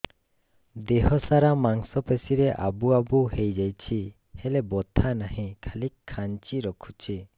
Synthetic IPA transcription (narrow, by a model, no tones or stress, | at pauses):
d̪eɦɔsaɾamaŋsɔpesiɾeʔa̰buabuhejd͡ʒajt͡ʃʰi | hɛlebɔt̪ʰanahĩkʰalikʰːant͡ʃiɾɔkʰut͡ʃʰi